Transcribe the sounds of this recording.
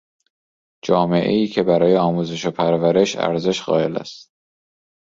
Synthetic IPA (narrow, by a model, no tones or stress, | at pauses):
d͡ʒɒːme̞ʔḛiːcʰe̞bæɾɒːje̞ɒːmuːze̞ʃopʰæɾvæɾe̞ʃæ̰ɾze̞ʃɣɒ̰ːe̞̰læ̰st̪̚